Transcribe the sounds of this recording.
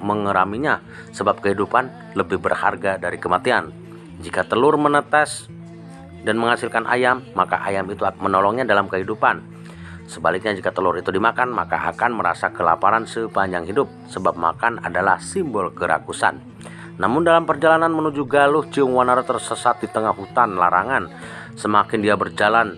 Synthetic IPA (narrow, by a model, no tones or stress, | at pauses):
məŋəɾamiɲa | səbap̚kəɦidupan | ləbɪhbərha̰rɡadaɾikəmat̪ian | d͡ʒikat̪əlʊrmənət̪as | danməŋasɪlkanʔa̰jamːaka̰ʔajamit̪umənɔlɔŋɲadalamkəɦidupan | səbalɪk̚ɲad͡ʒikat̪əlʊɾit̪udimakanma̰ka̰ʔa̰kanməɾa̰sakəla̰paɾansəpaɲd͡ʒaŋɦidʊp̚səbap̚ma̰kana̰dala̰hsimbɔlkəɾʔa̰kusa̰nː | amʊndalampərd͡ʒalananmənud͡ʒuɡalʊht͡ʃiʊŋwanaɾat̪ərsəsat̪̚dit̪əŋahhut̪anlaɾaŋan | səmakɪndiabərd͡ʒalan